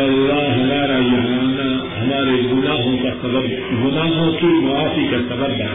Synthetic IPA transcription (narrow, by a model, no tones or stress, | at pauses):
ɐlːaːɦɐmaːɾajɐɦɾaːnaɦɐmaːɾeɡʊnaːɦõkasɐbɐb | ɡʊnaːɦõkimɐaːfikasɐbɐba̰